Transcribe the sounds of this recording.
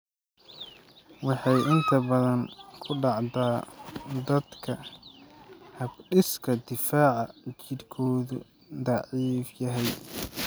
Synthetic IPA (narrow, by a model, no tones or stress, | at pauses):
wɑħɑjʔɪnt̪ʰɐbɐðɐŋkʰʊɖɑʕd̪aːd̪ɐd̪kʰɐ | hɐɡɖɪskʰɐd̪ɪfaːʕɑt͡ʃɪdkʰɔːðʊ | d̪ɑʕiːfjɐɦɛj